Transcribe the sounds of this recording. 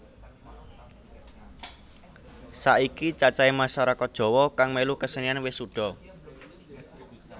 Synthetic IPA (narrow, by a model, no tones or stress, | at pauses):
saʔikit͡ʃat͡ʃaemaʃaɾakɔd̥ʒ̥ɔ̤wɔkaŋmeluhkəsənianwɪsuɖ̥ɔ̤